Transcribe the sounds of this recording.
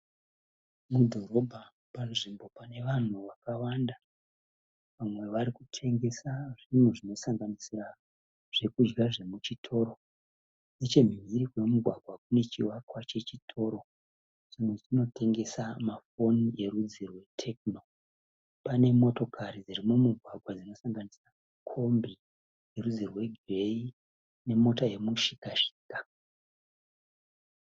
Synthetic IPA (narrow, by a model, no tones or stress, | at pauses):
mudʱo̞ɾo̞bʱa | panʐimbo̞pane̞ʋan̤uʋakawanda | ʋamwe̞ʋaɾikutʰe̞ŋɡe̞saʐin̤uʐino̞saŋɡanisira | ʐ̥e̞kud͡ʒɡaʐe̞mut͡ʃitʰo̞ːɾo̞ | net͡ʃe̞m̤ʱiɾikwe̞muɡʱwaɡʱwakune̞t͡ʃiwakwat͡ʃe̞t͡ʃitʰo̞ːɾo̞ | ʐimwed͡zino̞tʰe̞ŋɡe̞samafo̞nije̞rud͡zirwe̞tʰe̞kno̞ | pane̞mo̞to̞kʰaɾid͡ziɾimumuɡʱwaɡʱwad͡zino̞saŋɡanisramakʰo̞mbi | je̞rud͡zirwe̞ɡre̞i | ne̞mo̞taje̞muʃikaʃi̥ːka